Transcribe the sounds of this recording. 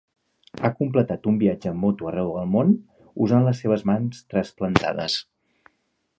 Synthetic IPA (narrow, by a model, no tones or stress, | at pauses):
akumplət̪at̪umbiad͡ʒəmːot̪uərɛwðəlˠmon | uzanləsːeβ̞əzmanst̪ɾəsplənt̪a̰ðə̰s